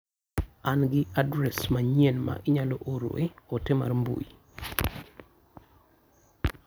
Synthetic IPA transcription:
anɡɪadɾɛsmaɲienma̰ʔɪɲaloʔoɾo̰eotema̰rmbṵi

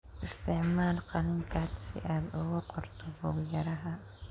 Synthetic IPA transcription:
ʔɪst̪ʰɪʕmaːlqɑnɪŋkʰaːd̪sɪ̰ʔaːd̪ʊɣʊqʊrt̪ʰɔbʊjɐɾɐɦɐ

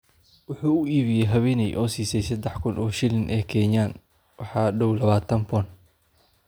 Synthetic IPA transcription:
wʊħuːʊiːβɪjɛjɦɐβɛːnɛjʔɔːsiːsɛjsɐd̪ɛħkʰʊnʔɔːʃɪlɪnʔɛːkʰɛːjaːn | wɑħɑːɖɔwlɐβaːt̪ʰɐmpʰɔn

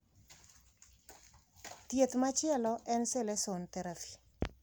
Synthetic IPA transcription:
tjet̪mat͡ʃɪɛlɔʔɛnselesont̪eɾafi̥

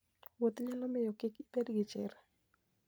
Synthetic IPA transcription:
wot̪ɲalɔmɪjɔkɪkibedɡɪt͡ʃɪ̰ɾa

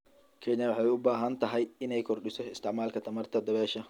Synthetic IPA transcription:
kʰɛnɐwɑħɑːjʊbaːɦɐnt̪ʰɐɦɛjɪnɛjkʰɔrɖɪsɔɪst̪ʰɪʕmaːlkʰɐt̪ʰɐmɐrt̪ʰɐd̪ɐβɛːʃɐ

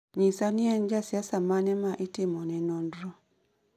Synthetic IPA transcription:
ɲisaniɛɲd͡ʒasjasamanɛmaʔitimɔnɛnɔndɾɔ

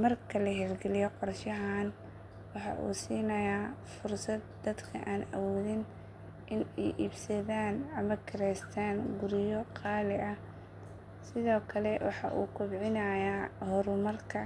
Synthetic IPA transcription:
mɐrkʰɐlɐɦɛlɡɛlɪjɔqɔrʃɐɦaːn | wɑħɑ̰ʔṵːsiːnɐjaːfʊrsɐd̪̚ːɐd̪kʰɐ̰ʔaːnɐ̰wɔːðɪn | ʔɪnɛjʔiːbsɐðaːnɐmɐkʰɪɾɛjst̪ʰaːnɡʊɾjɔqɑːlɪʔɐ | sɪðɔːkʰɐlɛwɑ̰ħɑ̰ʔṵːkʰʊbʕɪnɐjahɔɾʊmɐrkʰɐ

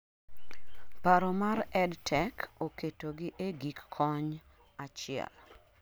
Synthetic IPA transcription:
paɾɔmaɾɛdtʰɛkʰoketoɡɪʔeɡikːʰɔɲ | at͡ʃɪɛ̰l

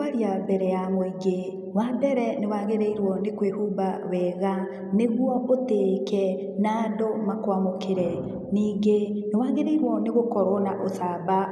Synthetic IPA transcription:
aɾiabɛɾɛamoiɡe | wabɛɾɛnewaɣeɾeiɾwɔnekwehubawɛːɣa | neɣwɔʔoteːkɛ | naːndomakwamokeɾɛ | niːŋɡenewaːɣeɾeiɾwɔneɣokɔɾɔnaʔosaba

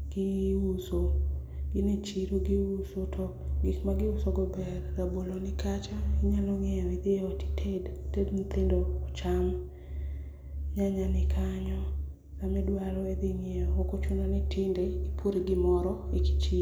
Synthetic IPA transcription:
ɡ̥ɪuso | ɡɪnet͡ʃiɾoɡiusotʰo | ɡɪkmaɡɪʊsoɡɔbɛrːabolonɪkʰat͡ʃaiɲalɔŋɛjɔid̪ejɔti̥tʰedtednit̪endoːt͡ʃaŋ | ɲaɲanɪkʰaɲɔ | kamɛdwalwɛd̪ɪŋeɔokot͡ʃunonɪtɪndeipʰoɾeɡɪmɔɾɔeki̥t͡ʃi

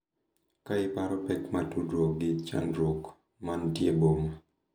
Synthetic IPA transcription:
kaɪpaɾɔpɛkmatudwoɡɪt͡ʃa̰ndɾok | mantjeboma

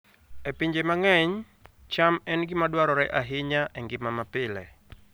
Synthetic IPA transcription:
ɛpiɲd͡ʒemaŋɛɲ | t͡ʃamɛnɡɪmadwaɾɔɾɛʔaɦɪɲaʔɛŋɡɪmamapɪlɛ̰

